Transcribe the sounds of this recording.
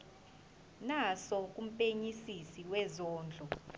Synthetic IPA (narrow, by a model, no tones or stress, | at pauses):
nasɔk̬ʼum̩pʼeɲisisiwɛzɔːnd͡ɮʱɔ